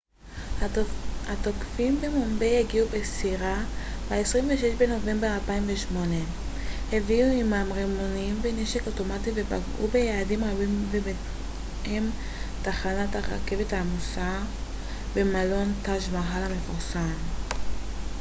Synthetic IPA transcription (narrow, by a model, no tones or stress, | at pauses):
hatokfimbemombejeɡiubesiʁabaesʁimveʃeʃbe̞no̞ve̞mbealpaimveʃmo̞ne̞ | heviuimamʁemonimveneʃeko̞to̞mativeba̰ɡʔṵbejaːdimabimvebe | em | taχanathaʁa̰ke̞vethamusa | bemalo̞ntaʃmaɦalame̞fuʁsam